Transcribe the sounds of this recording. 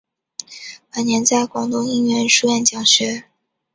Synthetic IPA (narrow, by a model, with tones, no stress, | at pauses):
pə˨˩njɛ˧˥nt͡sa˥˩ɪkwɑ˨˩ŋt̪ʊ˥˧ŋi˥˧ŋɥɛ˥˧nʂu˥jɛ˥˩nt͡ɕjɑ˨˩ŋɕɥɛ˧˥